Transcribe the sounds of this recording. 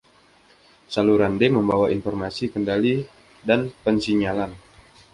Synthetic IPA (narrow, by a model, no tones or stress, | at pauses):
saluɾandeməmbawainfɔrmasikəndali | danpənsiɲalan